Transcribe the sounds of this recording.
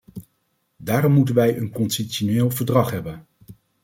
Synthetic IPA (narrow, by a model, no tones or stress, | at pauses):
daːɾɔmːutənʋɛjʔənkɔnsisoneːlˠvəɹdrɑχɦɛbən